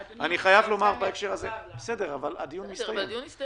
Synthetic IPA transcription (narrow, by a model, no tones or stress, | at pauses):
aniχajavlo̞maʁbaefʃeʁazebesede̞ʁavalad̪ijunmist̪ajev